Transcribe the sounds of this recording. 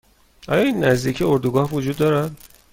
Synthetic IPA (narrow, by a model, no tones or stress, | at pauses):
ʔɒ̰ːjɒːinːæzd̪iːcʰeoɾd̪uɡɒːhvod͡ʒuːd̪ːɒːɾæd̪̥